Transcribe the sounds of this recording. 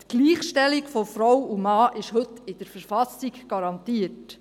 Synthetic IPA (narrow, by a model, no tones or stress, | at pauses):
t̪ɡ̥liːχʃtɛlikfɔfɾɔwumɑːʔɪʃhɵt̪ːɪd̥əɾfəɾfɑsikɡ̥ɑɾɑnt̪iət